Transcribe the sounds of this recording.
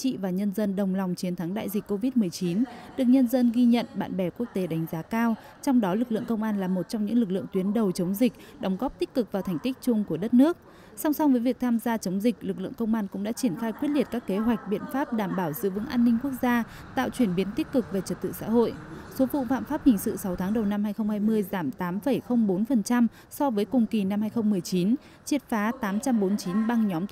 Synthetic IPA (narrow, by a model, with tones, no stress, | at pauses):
t͡ɕḭ˧˨vaː˨˩ɲə˧nzə˧nɗə˨˩wŋ͡mla˨˩wŋ͡mt͡ɕi˨˦nt̪ʰa˨˦ŋɗa̰ː˧˨jzï˨˩k̟̚ʲko˧vi˦˥t̚mɨ˨˩əjt͡ɕi˨˦nɗɨ˨˩ək̚ɲə˧nzə˧nɣi˧ɲə̰˧˨nɓa̰ː˧˨nɓɛ˧˩ku˦˥ək̚t̪e˨˦ɗa˨˦jŋ̟zaː˨˦kaː˧w | t͡ɕɔ˧wŋ͡mɗɔ˨˦lɨ˨˩k̚lɨ̰˧˨əŋkə˧wŋ͡mʔaː˧nlaː˨˩mo˨˩t̚t͡ɕɔ˧ŋ͡mɲɨ̰˧˥ŋlɨ˨˩k̚lɨ̰˧˨əŋt̪wi˨˦ənɗə˨˩wt͡ɕə˨˦wŋ͡mzï˨˩k̟̚ɗə˨˦wŋ͡mɣɔ˦˥p̚t̪i˦˥k̚kɨ˨˩k̚vaː˨˩t̪ʰa˨˩jŋ̟t̪i˦˥k̟̚t͡ɕʊ˧ŋ͡mku˧˩əɗə˦˥t̚nɨ˦˥ək̚ | sa˧wŋ͡msa˧wŋ͡mvəː˨˦jvi˨˩ək̚t̪ʰaː˧mzaː˧t͡ɕə˨˦wŋ͡mzï˨˩k̟̚lɨ˨˩k̬̚lɨ̰˧˨əŋkə˧wŋ͡mʔaː˧nkʊ̰˧˥ŋ͡mɗa̰ː˧˥t͡ɕi˧˩ənxaː˧jkwi˦˥t̚li˨˩ət̚kaː˦˥kːe˨˦ɦwa˨˩k̚ɓḭ˧˨ənfaː˦˥p̚ɗaː˧˩mɓaː˧˩wzɨ̰˧˥vɨ̰˧˥ŋʔaː˧nːï˧ŋ̟ku˦˥ək̚zaː˧ | t̪a̰ː˧˨wt͡ɕwi˧˩ənɓi˨˦ənt̪i˦˥k̚kɨ˨˩k̚ve˨˩t͡ɕə˨˩t̚t̪ɨ̰˧˨sa̰ː˧˥ɦo̰˧˨jso˨˦vṵ˧˨fa̰ː˧˨nfaː˦˥p̚hï˨˩ŋ̟sɨ̰˧˨sa˨˦wt̪ʰaː˨˦ŋɗə˨˩wna˧mhaː˧jxə˧wŋ͡mhaː˧jmɨ˧əjzaː˧˩mt̪aː˨˦mfə˧˩jxə˧wŋ͡mɓo˨˦nfə˨˩nt͡ɕa˧m | sɔ˧vəː˨˦jkʊ˨˩ŋ͡mki˨˩na˧mhaː˧jxə˧wŋ͡mmɨ˨˩əjt͡ɕi˨˦n | t͡ɕi˨˧˥ət̚faː˨˦t̪aː˨˦mt͡ɕa˧mɓo˨˦nt͡ɕi˨˦nɓa˧ŋɲɔ˨˦m